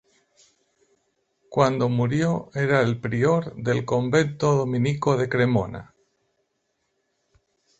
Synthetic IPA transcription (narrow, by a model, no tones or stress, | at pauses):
kwand̪o̞muɾjo̞eɾaelpɾioɾðe̞lko̞mbe̞nt̪oðomĩniko̞ðe̞kɾe̞mona̰